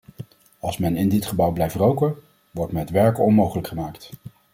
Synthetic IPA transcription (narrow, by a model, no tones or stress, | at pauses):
ɑlˠsmɛnɪndɪtχəbʌwblɛjftrowkə | ʋɔɹtmɛtʋɛɹkɔnmowχələkχəmaːkt